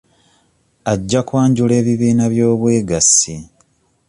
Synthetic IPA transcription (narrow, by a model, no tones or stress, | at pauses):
aɟːakwaːɲɟule̞ːβiβiːnaβjo̞ːβwe̞ːɡasi